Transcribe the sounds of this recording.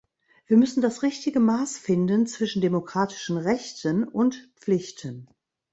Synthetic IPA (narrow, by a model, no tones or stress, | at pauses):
viːɐmʏsn̩dasʁɪçtɪɡəmaːsfɪndənt͡sv̥ɪʃn̩demokʁ̥aːtʰɪ̥ʃn̩ʁɛçtʰənʊntpp͡flɪçtʰən